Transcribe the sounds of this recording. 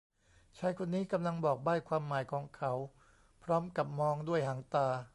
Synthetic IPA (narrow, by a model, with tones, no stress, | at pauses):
t͡ɕʰaː˦˥jkʰo˧nːiː˦˥ka˧mla˧ŋbɔː˨˩k̚baː˥˩jkʰwaː˧mːaː˩˦jkʰɔː˩˦ŋkʰa˩˦w | pʰɾɔː˦˥mka˨˩p̚mɔː˧ŋdu˥˩əjɦaː˩˦ŋt̪aː˧